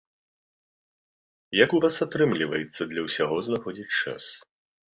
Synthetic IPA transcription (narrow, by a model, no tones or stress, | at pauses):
jakuvasat̪ɾɨmlʲivɐjɛt̪sːɐd̪lʲɐwsʲaɣɔznaxɔd͡zʲit͡sʲt͡ʂa̰s